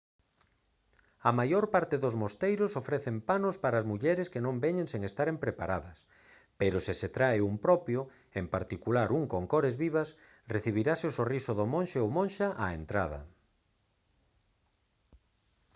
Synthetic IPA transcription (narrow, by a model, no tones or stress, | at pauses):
ɐmajoɾpaɾt̪ɪðozmost̪ejɾʊsofɾɛθempanospaɾaːzmuʎɛɾɪskenõmbɛɲẽŋseŋest̪aɾempɾepaɾaðɐs | peɾosɪset̪ɾaeumpɾɔpjo | empaɾt̪ikulaɾuŋkoŋkoɾezβiβas | reθiβiɾasɪosorisoðomõnʃeowmõnʃaʔaent̪ɾaðɐ̰